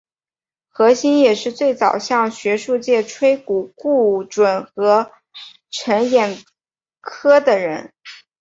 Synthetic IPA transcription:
xɤ˧˥ɕi˥njɛ˨˩ʂɻ̩˥˧t͡swe˥˩ɪt͡sɑ˨˩ʊɕjɑ˥˩ŋɕɥɛ˧˥ʂu˥˧t͡ɕjɛ˥˩ʈ͡ʂʰwe˥ɪku˨˩ku˥˩ʈ͡ʂwə˨˩nxɤ˧˥ | ʈ͡ʂʰə˧˥njɛ˨˩n | kʰɤ˥d̪ə˨ɻə˧˥n

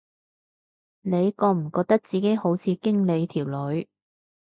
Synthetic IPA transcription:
ne˨˧jkɔː˧m̩˨˩kɔː˧k̚t̪ɐ˥k̚t͡siː˨ke˨˥jho˨˥wt͡sʰiː˨˧kɪ˥ŋle˨˧jt̪ʰiː˨˩wlɵ˨˧˥ɥ

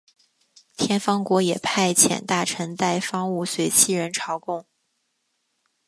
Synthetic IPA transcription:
t̪ʰjɛ˥nfɑ˥ŋkwɔ˧˥jɛ̰˨˩pʰa˥˩ɪt͡ɕʰjɛ̰˨˩nt̪a˥˩ʈ͡ʂʰə˧˥ŋt̪a˥˩ɪfɑ˥ŋu˥˩swe˧˥ɪt͡ɕʰi˥˩ɻə˧˥nʈ͡ʂʰɑ˧˥ʊkʊ˥˩ŋ

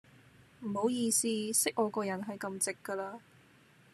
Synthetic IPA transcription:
m̩˨˩ho˨˥wjiː˧siː˧sɪ˥k̚ʔɔː˨˧kɔː˧jɐ˨˩nɦɐ˨jkɐ˧mt͡sɪ˨kːəː˧laː˧

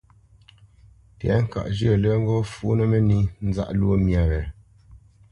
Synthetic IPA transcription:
tjɛ̰˨˦ŋ̩˦ka̰˨ʔd͡ʒə˦˨lə˦ŋ̩˦ɡɔ˦fu˨˦nə˦mɛ˦ni˦n̩˦za̰˦˨ʔlwo˦mja˨ɣɛ˨

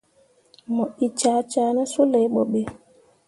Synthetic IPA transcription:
mɔ˨i˨t͡ʃaː˨˦t͡ʃaː˨˦na˦su˦le˨jɓɔ˨ɓɛ˦

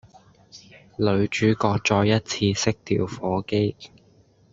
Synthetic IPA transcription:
lɵ˨˧ɥt͡ʃyː˨˥kɔː˧k̚t͡ʃɔː˧jjɐ˥t̚t͡sʰiː˧sɪ˥k̚t̪ʰḭː˨˩wfɔː˨˥ke˥j

